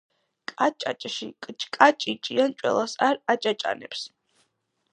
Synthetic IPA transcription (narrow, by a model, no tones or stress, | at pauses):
kʼat͡ʃʼat͡ʃʼʃikʼt͡ʃʼkʼat͡ʃʼit͡ʃʼiant͡ʃʼwɛ̰lˠasaɾat͡ʃʼat͡ʃʼa̰nɛps